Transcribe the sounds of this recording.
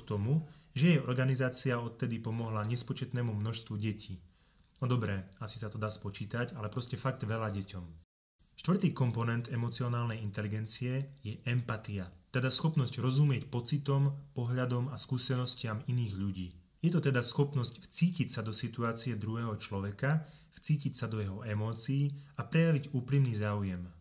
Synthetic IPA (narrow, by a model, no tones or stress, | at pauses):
kt̪ɔmuʒɛjɛɔɾɡanizaːt͡siaɔt̪̚t̪ɛd̪ipɔmɔɦlaɲɛspɔt͡ʃɛt̪nɛːmumnɔʃst̪ʋuɟɛcʰiː | ɔd̪ɔbɾɛːasi̥sat̪ɔd̪aːspɔt͡ʃiːt̪acalɛpɾɔscɛfaɡd̪ʋɛʎaɟɛcɔm | ʃt̪ʋr̩t̪iːkɔmpɔnɛnd̪ɛmɔt͡siɔnaːlnɛjint̪ɛliɡɛnt͡siɛjɛʔɛmpat̪iat̪ɛd̪asxɔpnɔsɟɾɔzumɪɛcpɔt͡sit̪ɔmpɔɦʎad̪ɔmaskuːsɛnɔscɪaminiːɣʎuɟiː | jɛt̪ɔt̪ɛd̪asxɔpnɔscft͡siːcicsad̪ɔsit̪uaːt͡siɛd̪ɾuɦɛːɦɔt͡ʃlɔʋɛka | ft͡siːcicsad̪ɔjɛɦɔɛmɔːt͡siːapɾɛjaʋiɟuːpɾimniːzaːujɛm